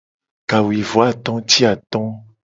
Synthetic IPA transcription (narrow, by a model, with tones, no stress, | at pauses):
ka˨wi˨vo˨˦a˦˨t̪ɔ̃˦t̪i˦a˨t̪ɔ̃˦